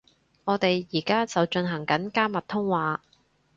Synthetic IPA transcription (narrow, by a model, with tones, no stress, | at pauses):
ŋɔː˨˧t̪e˨jːiː˨˩kaː˥t͡sɐ˨wt͡ʃɵ˧nɦɐ˨˩ŋkɐ˨˥nkaː˥mɐ˨t̚t̪ʰʊ˥ŋwaː˨˧